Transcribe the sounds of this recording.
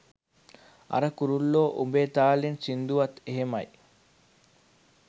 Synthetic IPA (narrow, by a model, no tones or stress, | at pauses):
ɐ̰ɾɐkuɾulːoːʔubeːt̪aːlinsind̪uʋɐt̪eɦemɐj